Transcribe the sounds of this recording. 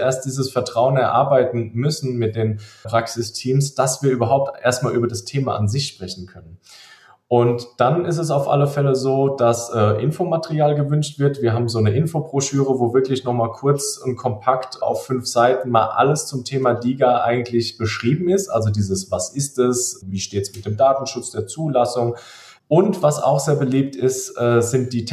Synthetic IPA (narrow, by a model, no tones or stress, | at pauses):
ʔeːɐst̚d̥iːzəsfɛɐtʁ̥aʊənɛɐʔa̰ɐbaɪtn̩mʏsn̩mɪt̚d̥eːnpʁ̥aksɪstʰiːmsd̥asv̥iːɐʔyːbɐɦaʊp̚tʔḛːɐst̚maːlʔyːbɐdastʰeːma̰ʔanzɪçʃpʁ̥ɛçn̩kʰœnən | ʔʊntd̥anɪstɛs̬aʊfʔa̰ləfɛləzoːd̥asʔɛːʔɪnfomatəʁiaːlɡəvʏnʃtv̥ɪɐtv̥iːɐɦaːbm̩zoːnəʔɪnfobʁ̥oʃyːʁ̞əvoːvɪɐklɪçnɔχmaːlkʰʊɐt͡sʊnt̚kʰɔmpʰaktʔa̰ʊfːʏnfz̥aɪtn̩maːlʔa̰ləst͡sʊmtʰeːmadiːɡaʔa̰ɪɡŋ̩tʰlɪçb̥əʃʁ̥iːbm̩ɪstʔa̰lzodiːzəsvasɪstɛsviːʃteːtə̥smɪt̚d̥eːmdaːtn̩ʃʊt͡sd̥eːɐt͡suːlasʊŋ | ʔʊntv̥asa̰ʊxz̥eːɐbəliːp̚tɪstʔɛːzɪnt̚d̥iː